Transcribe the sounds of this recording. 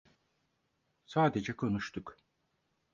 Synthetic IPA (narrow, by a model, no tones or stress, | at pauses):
saːd̪ed͡ʒɛkʰo̞nuʃt̪ʰʊk